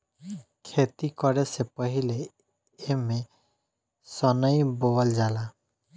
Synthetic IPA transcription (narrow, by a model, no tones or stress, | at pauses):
kʰet̪ikɔɾesepɔɦile | eme | sɔnəjbowald͡ʒala